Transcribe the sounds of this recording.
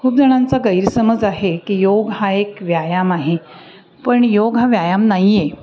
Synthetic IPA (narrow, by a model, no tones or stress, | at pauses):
kʰuːp̚d͡zəɽ̃ant͡saɡəjɾsəməd͡zaɦekiːjoɡɦaekʋjajamaɦe | pəɳjoɡɦãʋjajamnajje